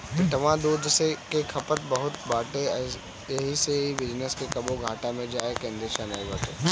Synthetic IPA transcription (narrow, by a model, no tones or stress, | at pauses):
ɪʈəʋãd̪uːd̪ʱsekekʰɐpət̪̚bɐɦʊt̪baːʈe | jɐɦiseɦiʋɪd͡ʒnəskekɐboɡʱaːʈamẽd͡ʒaːekẽːnd̪ɾeːʃaːnajbəke